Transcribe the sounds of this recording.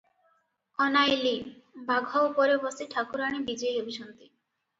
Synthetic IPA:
ɔnajlibaɡʱɔopɔɾebɔsiʈʰakuɾaɽ̃ibid͡ʒejɦebʱiʃɔnt̪i

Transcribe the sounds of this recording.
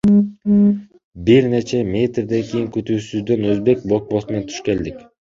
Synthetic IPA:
biɾnet͡ʃʰeme̞t̪ɾd̪ankʲʰejiŋkʲʰyt̪uːsyzd̪enɵzbe̞k̚ʲbok̚bosment̪ʰy̥ʃkʲeld̪ɪkʲ

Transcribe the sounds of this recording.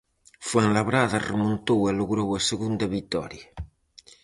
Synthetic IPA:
fweŋlaβɾaðaremõnt̪oweloɣɾowaseɣund̪ɐβit̪ɔ̰ɾja

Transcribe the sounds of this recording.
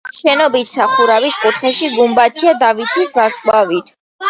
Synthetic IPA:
ʃɛnɔbissaχuɾaviskʼut̪ʰχɛʃiɡumbat̪ʰiad̪avit̪ʰisɡaskʼwavit̪ʰ

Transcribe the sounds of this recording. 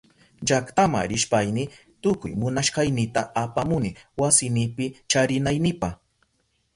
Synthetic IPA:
d͡ʒakt̪ama̰ɾɪʃpajnɪ | t̪ʊkʊ̰jmʊnaʃɢɑjnɪt̪aapamʊnɪwasɪnɪpɪt͡ʃaɾɪnajnɪpɑχ

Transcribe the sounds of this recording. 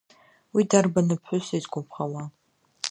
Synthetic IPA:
widarbanɨpʰħʷʊsaizɡʷʰʊpʰχawa

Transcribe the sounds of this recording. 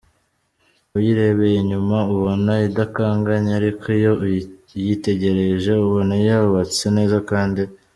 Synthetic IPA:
ujiɾe̞βejeɲumauβo̞naidakaːŋɡaɲeaɾikʰijo̞jite̞ɟe̞ɾe̞ʒe̞uβo̞najaɾuβat͡se̞ne̞ːzakaːndi

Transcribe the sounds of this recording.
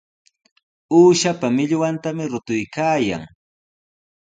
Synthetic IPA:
uːʃapamɪʎwant̪amɪɾʊt̪ʊjkaːja̰ŋ

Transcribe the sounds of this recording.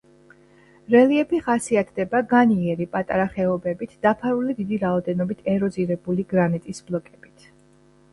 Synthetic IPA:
ɾɛliɛpʰiχasiat̪ʰd̪ɛbaɡaniɛɾipʼat̪ʼaɾaχɛɔbɛbit̪ʰd̪̥apʰaɾulid̪id̪iɾaɔd̪ɛnɔbit̪ʰɛɾɔziɾɛbuliɡɾanit̪ʼisblˠɔkʼɛb̥it̪ʰ

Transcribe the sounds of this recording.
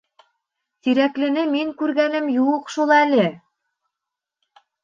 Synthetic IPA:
t̪iɾæklɘ̆nɘmiŋkʉɾɡænɘmjuɤqʃulˠælɘ

